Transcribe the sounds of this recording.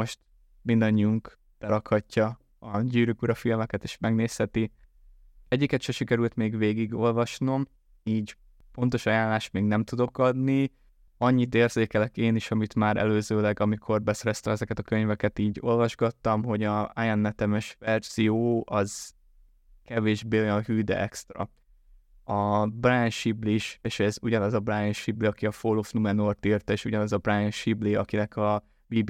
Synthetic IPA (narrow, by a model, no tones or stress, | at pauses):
o̞ʃt̪̚ | mind̪ɒɲːiuŋk | t̪ɛɾɒkhɒcːɒ | ɒɟyːɾykuɾɒfilmɛkɛt̪eːʃmɛɡneːshɛt̪i | ɛɟːikɛt̪ʃɛʃikɛɾylt̪meːɡveːɡiɡo̞lvɒʃno̞m | iːɟ | po̞nt̪o̞ʃɒjaːnlːaːʃt̪meːɡnɛmt̪ud̪o̞kɒd̪ni | ɒɲːit̪eːrz̥eːkɛlɛkeːniʃɒmit̪maːɾɛ̰løːzøːlɛɡɒmikʰo̞rbɛsɛɾɛst̪ɛmɛzɛkɛt̪ɒkøɲvɛkɛt̪iːɟolvɒʒɡɒt̪ːɒmɦo̞ɟɒajɛnːɛt̪ɛmɛʃvɛrz̥ijoːʔɒz̥ | kɛveːʒbeːo̞jɒnhyːd̪ɛ̰ʔɛkst̪rɒ̰ | ɒbrajɛnʃibliʃeːʃɛzuɟɒnɒzɒbrajɛnʃibliɒkiɒfolofnumɛnort̪irt̪eːʃuɟɒnɒzɒbrajɛnʃibliɒkinɛkʰɒ | biːb